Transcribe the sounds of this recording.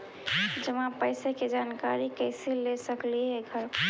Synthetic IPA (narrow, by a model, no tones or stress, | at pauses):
d͡ʒəmãpəɪseked͡ʒankaɾikəɪsilesəkliɦɛɡʱəɾ